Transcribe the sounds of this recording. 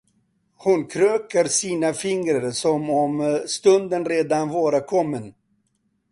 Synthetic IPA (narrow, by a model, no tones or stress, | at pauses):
hʊnkʰɾøːkəɾsiːnafɪŋɾəɾsɔmɔmst̪ɵnd̪ənɾeːd̪anvɑːɾəkʰɔmːən